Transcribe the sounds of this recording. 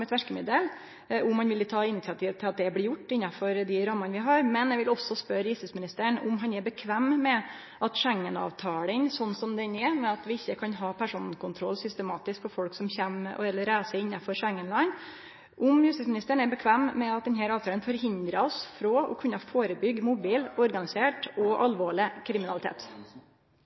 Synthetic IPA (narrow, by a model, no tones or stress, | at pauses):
mɛt̪ʰʋæʂkəmɪd̪əl | ʔʊmhɑnʋɪlɪt̪ʰɑːɪnɪt̪sɪɑt̪ʰiːʋt̪ʰːɪlɑt̪̚d̪ɛblɪɾjʊʈːɪnːɑfɔɾd̪ɪɾɑmːɑnəʋɪɦɑɾmɛnjɛʋɪlɔsːɔspœɾjʉst̪ɪsmɪnɪst̪əəɳʊmɦɑnɛɾbəkʰʋæmːmɛ | ʔɑt̪ʂɛŋːənɑ̰ːʋt̪ʰɑːlənsɔnːsɔmd̪ɛnɛmɛɑt̪ʋɪɪçːəkʰɑnɦɑːpʰæʂuːnnkʰʊnt̪ʰɾɔlːsʏst̪əmɑːt̪ɪsk̚pʰɔfɔlksɔmçæm̰ɛlːəɾæɪsɛɪnːɑfɔɾʂɛŋːənlɑn | ʔʊmjʉst̪ɪsmɪnɪst̪əɳɛɾbəkʰʋæmːmɛɑt̪̚d̪ɛnɦæːɾɑːʋt̪ʰɑːlənfɔɾɦɪnd̪ɾɑɔsfɾɔɔ̰kʰʉnːɑfoːɾəbʏɡːmʊbiːlɔɾɡɑnɪseːʈɔʔɑlʋoːɭɪkʰɾɪmɪnɑlɪt̪ʰḛːt̪